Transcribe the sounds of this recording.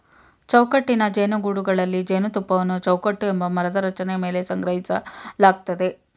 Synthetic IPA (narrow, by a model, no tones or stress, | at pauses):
t͡ʃɐwkɐʈːinɐd͡ʒeːnuɡuɽuɡɐɭɐlːid͡ʒeːnut̪upːɐʋɐnːut͡ʃɐwkɐʈːue̞mbɐmɐɾɐd̪ɐɾɐt͡ʃɐneme̞ːle̞sɐŋɡɾɐɦisɐlaːɡ̚t̪ɐd̪e̞